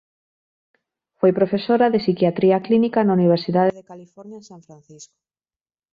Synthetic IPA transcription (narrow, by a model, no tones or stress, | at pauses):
fojpɾofesoɾaðesikjat̪ɾiaklinikanauniβ̞eɾsiðaðeðekalifɔɾnjasaɱfɾãn̟θisko̥